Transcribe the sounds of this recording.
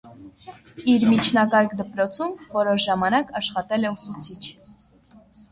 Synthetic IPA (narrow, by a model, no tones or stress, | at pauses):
iɾmit͡ʃʰnɑkɑɾkd̪əpɾɔt͡sʰumvɔɾɔʃʒɑmɑnɑkɑʃχɑt̪ɛlɛusut͡sʰit͡ʃʰ